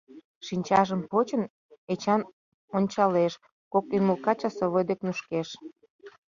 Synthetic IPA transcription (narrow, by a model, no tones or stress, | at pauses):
ʃinʲt͡ɕɑʒəmpot͡ɕə̆n | et͡ɕɑn | onʲt͡ɕɑleʃ | kokyməlkɑt͡ɕɑsoβojd̪eknuʃkeʃ